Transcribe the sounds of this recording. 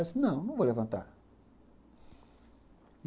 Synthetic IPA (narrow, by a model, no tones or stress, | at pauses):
ɛsɪnɐ̃w̃nɐ̃w̃vowlevɐ̃nt̪a̰ɾ